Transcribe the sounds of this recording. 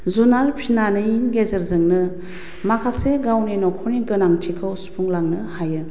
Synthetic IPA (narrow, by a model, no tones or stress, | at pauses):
zunaɾpʰinanɯinɡezeɾzɯŋnɯ | makʰaseɡawninɔkʰɔniɡɯnaŋtʰikʰɯwsu̥pʰuŋlaŋnɯhajɯ